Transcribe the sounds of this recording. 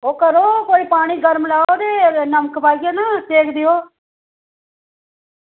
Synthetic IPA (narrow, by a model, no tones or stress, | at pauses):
oːkəɾoːkoːiːpaːɽ̃iːɡəɾmlaːod̪eːnəməkpaːiɡaːnaːt̪eːkd̪ɪjoː